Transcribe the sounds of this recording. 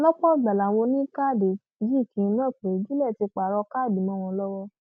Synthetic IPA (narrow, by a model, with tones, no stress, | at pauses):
lɔ̃˦k͡pɔ̃˦˨ɡ͡ba˨la˨wo˧nĩ˦ka˦˨de˨ | d͡ʒi˦˨kĩ˧n˦ã˦˨k͡pe˨˦d͡ʒi˦lɛ˦˨ti˧k͡pa˨ɾɔ˧ka˦˨bi˨˦mɔ̃˦˨w̃ɔ̃˧˦lɔ˦wɔ˧